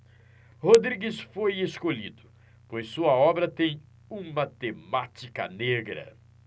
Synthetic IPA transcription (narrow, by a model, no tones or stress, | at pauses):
hod̪ɾiɡisfojeskoʎid̪ʊ | pojsːuɐɔbɾɐt̪ẽj̃ | ũmat̪emat͡ʃikɐ̰neɡɾɐ̰